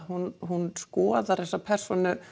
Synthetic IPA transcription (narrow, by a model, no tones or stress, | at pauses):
ɦunɦunskɔːðaɾ̥θɛsːapʰɛr̥sɔnʏ